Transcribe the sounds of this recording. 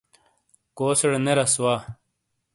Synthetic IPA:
koːseɽneɾɐswaː

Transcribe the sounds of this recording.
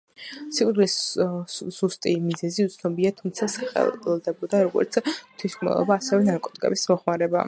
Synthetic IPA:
sikʼid̪lis | z̥ust̪ʼimizɛziut̪sʰnɔbiat̪ʰumt̪sʰasχɛ̰lˠd̪ɛbɔd̪aɾɔɡɔ̰ɾt̪sʰt̪ʰwiskʰʼmɛ̰lˠɔ̰baːsɛvɛnaɾkʼɔt̪ʼikʼɛ̰bismɔχmaɾɛba̰

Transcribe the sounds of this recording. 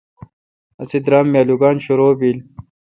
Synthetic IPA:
ɐsid̪ɾaːmːjaːluːɡaːnɕuɾoːbiːl

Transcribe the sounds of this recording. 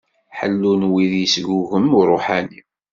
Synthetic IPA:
ħə̰lːunwiðjəsɡuɣəmuɾˤoħani

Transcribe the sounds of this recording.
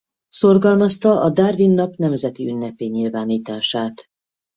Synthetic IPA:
so̞rɡɒlmɒst̪ɒʔɒd̪arvinːɒpnɛmzɛt̪iynːɛpeːɲilvaːniːt̪aːʃaːt̪

